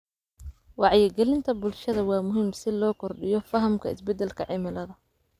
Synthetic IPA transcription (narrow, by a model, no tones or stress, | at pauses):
wɑʕjɪɡɛlɪnt̪ʰɐbʊlʃɐðɐwɑːmʊɦiːmsɪlɔːkʰɔrɖɪjɔfɐɦɐmkʰɐɪsbɛd̪ːɛlkʰɐʕɪmɪlɐðɐ